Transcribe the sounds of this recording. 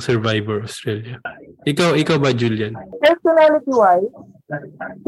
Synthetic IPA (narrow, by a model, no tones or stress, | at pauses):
sɛɹvajbɛɹɐst̪ɾɛljɐʔɪkawɪkawbɐd͡ʒuljɐnpɛɹsɔnalɪt̪iwaj